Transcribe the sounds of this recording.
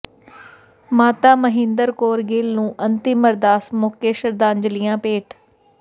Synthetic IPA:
maːt̪aːməɦɪ̃nd̪əɾkoːɾɡeːlnũːʔənt̪iməɾd̪aːsmoːkeːʃəɾd̪aːnd͡ʒlɪjãːpeːʈʰ

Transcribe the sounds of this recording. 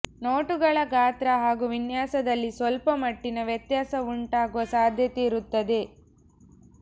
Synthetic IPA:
noːʈuɡɐɭɐɡaːt̪ɾɐɦaːɡuːʋinjaːsɐd̪ɐlːisʋɐlpɐmɐʈːinɐʋjɐt̪jaːsɐuɳʈaːɡuʋɐsaːd̪ʱjɐt̪eiɾut̪ːɐd̪e̞

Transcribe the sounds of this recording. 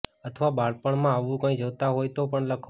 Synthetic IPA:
ət̪ʰʋabaɭpəɳmãaʋũkə̃ĩd͡ʒəʋt̪aɦojt̪opəɳləkʰ

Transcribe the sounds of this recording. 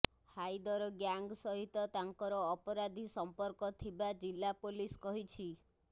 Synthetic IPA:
hajd̪ɔɾɔɡjaŋɡsɔɦit̪ɔt̪aŋkɔɾɔːpɔɾad̪ʱisɔmpɔɾkɔt̪ʰibad͡ʒilːapoliskɔɦit͡ʃʰi

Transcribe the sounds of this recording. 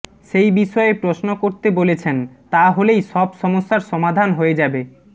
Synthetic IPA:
ʃejbiʃɔepɾosnokoɾt̪ebolet͡ɕʰent̪aɦolejʃɔbʃɔmosːaɾʃɔmad̪ʱanɦoed͡ʑabe

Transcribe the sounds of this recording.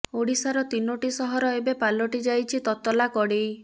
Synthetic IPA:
oɽisaɾɔt̪inoʈisɔɦɔɾɔebepalɔʈid͡ʒajt͡ʃʰit̪ɔt̪ɔlakɔɽi

